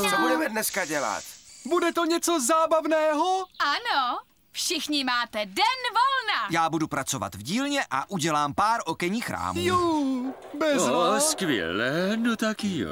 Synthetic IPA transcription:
t͡sobudɛmɛdnɛskaɟɛla̰t̪budɛt̪o̞ɲɛt͡so̞zaːbavnɛːɦoʔano | fʃɪxɲɪmaːt̪ɛdɛnvolnajaːbudupɾat͡so̞va̰t̪vɟiːlɲɛʔaʔuɟɛlaːmpaːɾʔo̞kɛɲiːxɾa̰ːmjo | bɛzvoskvjɛ̰lɛːnot̪akijo̰

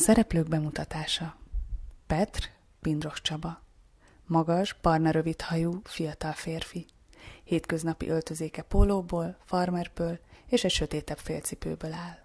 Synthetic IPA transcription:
sɛɾɛpløːɡbɛmut̪ɒt̪aːʃɒ | pɛt̪r | pind̪ro̞ʃt͡ʃɒbɒ | mɒɡɒʒbɒrnɒɾø̞vit̪hɒjufijɒt̪ɒlfeːrfi | heːt̪kø̞znɒpḭʔølt̪ø̞zeːkɛpoːloːboːlfɒrmɛrbøːleːʃɛcʃø̞t̪eːt̪ɛpfeːlt̪sipø̰ːbølaːl

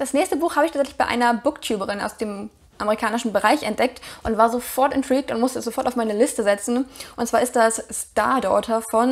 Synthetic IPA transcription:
d̥asnɛːçstəbuːxhaːbəɪçʰaːt͡sɛçlɪ̥çb̥aɪʔa̰ɪnɐbʊktʰjuːbəʁɪna̰ʊsd̥eːm | ʔameʁikʰaːnɪʃn̩bəʁaɪçʔɛnt̚d̥ɛk̚tʔʊntv̥aːɐzofɔɐtɛntʁ̥iːk̚tʊntmʊstəɛsz̥ofɔɐtaʊfmaɪnəlɪstəzɛt͡sn̩ʔʊntt͡sv̥aːɐɪst̚d̥assta̰ɐdɔ̰ːtʰɐfɔn

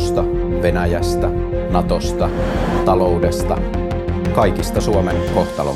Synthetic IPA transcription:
st̪ɑ | ʋenæjæst̪æ | nɑt̪ost̪ɑ | t̪ɑlo̞udest̪ɑ | kɑikist̪ɑsuɑmenko̞ht̪ɑlo̰

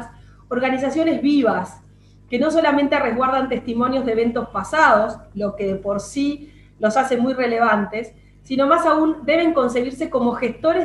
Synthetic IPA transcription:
s | oɾɣanis̬asjo̞ne̞zβiβas | ke̞no̞s̬o̞lamẽ̞nt̪ereɣwaɾðant̪e̞st̪imo̞njozðeβe̞nt̪o̞spasaðo̞slo̞skeðepo̞ɾsi | lo̞sasemujreleβ̞ant̪e̞sː | ino̞masaund̪e̞βe̞ŋko̞ns̬e̞ɣiɾseko̞mo̞xe̞st̪o̞ɾe

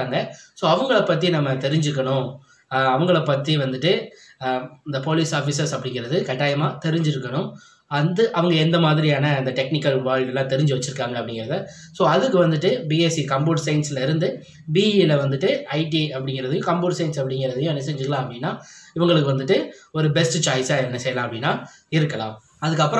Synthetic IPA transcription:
aːŋɡɐsoːɐʋɐŋɡɐɭɐpːɐt̪̬ːinɐmːɐt̪ɛɾɪɲd͡ʒɯɾɯk̬ːɐɳʊ̃ | ɐʋɐŋɡɐɭɐpːɐt̪ːiʋɐnd̪ɯʈːɯ | ɪnd̪ɐpoːliːsaːfiːsɐɾsɐpːɐɽɪŋɡɪɾɐðɯkɐʈːaːjɐmaːt̪ɛɾɪɲd͡ʒɪɾɯkːɐɳʊ̃ | ɐnd̪ɯʔɐʋɐŋɡɐɛnd̪ɐmaːðɪɾɪjaːnɐɐnd̪ɐʈɛk̚nɪkːɐlʋaːɻɪlɛlːãːt̪ɛɾɪɲd͡ʒɯʋɐt͡ʃːɯɾɯkːaːŋɡɐɐpːɐɽɪŋɡɪɾɐðɐ | soːɐðɯkːɯʋɐnd̪ɯʈːɯbiːesikɐmboːʈsɐɪnsɪlɐɪɾɯnd̪ɯ | biːlɐʋɐnd̪ɯʈːɯɐɪʈiɐpːɐɽɪŋɡɪɾɐðɯjʊ̃kɐmboːʈsɐɪnsɐpːɐɽɪŋɡɪɾɐðɯjʊ̃nɛsɛɲd͡ʒɯkːɐlãːɐpːɐɽɪnːaːɪʋɐŋɡɐɭɯk̬ːɯʋɐnd̪ɯʈːɯɔɾɯbɛsʈɯt͡ʃaːjsaːɛnːɐsɛjɐlãːɐpːɐɽɪnːaː | ɪɾɯkːɐɭã̰ː | ɐðɯkːɐpːɯɾ̃

